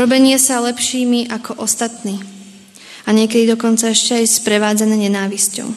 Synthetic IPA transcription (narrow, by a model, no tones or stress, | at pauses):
ɾɔbɛɲɪɛsalɛpʃiːmiʔakʰɔʔɔst̪at̪niː | aɲɪɛkɛd̪id̪ɔkɔnt͡saɛʃcɛajspɾɛʋaːd͡zanɛːɲɛnaːʋiscɔ̰ʊ